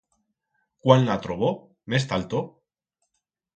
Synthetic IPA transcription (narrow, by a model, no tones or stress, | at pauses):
kwanːat̪ɾoβo | mest̪alt̪o